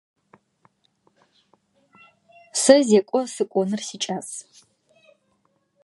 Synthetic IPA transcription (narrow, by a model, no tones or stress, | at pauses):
sɨzekʷʼɔsɨkʷʼɔnɨrsit͡ʃʼas